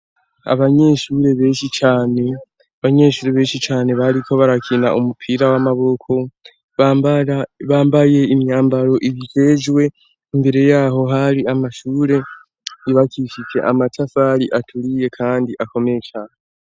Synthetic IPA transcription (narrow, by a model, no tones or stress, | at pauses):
a̰βaɲe̞ːʃuːɾe̞βe̞ːʃit͡ʃaːne̞ | aβaɲe̞ːʃuːɾeβe̞ːʃit͡ʃaːne̞βaɾikʰo̞βaɾakʰina̰ʔumupʰiɾawamaβo̞kʰo̞ | βaːmbaje̞imjaːmbaɾo̞ʔiβid͡ʒe̞ʒwe̞ | imbe̞ɾe̞jaːɦo̞ɦaɾiamaʃuːɾe̞ | iβakʰiʃit͡ʃe̞̰ʔamatʰafaɾiʔatʰuɾije̞kʰaːndiʔako̞me̞t͡ʃan